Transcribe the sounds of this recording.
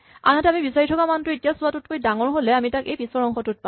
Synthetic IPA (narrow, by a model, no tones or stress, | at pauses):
a̰nɦatɛamibisaɹitʰɔkamantʊetijasʊatut̚kojdaŋɔɹɦolɛamitakejpisɔɹɔŋxʰɔtut̚pa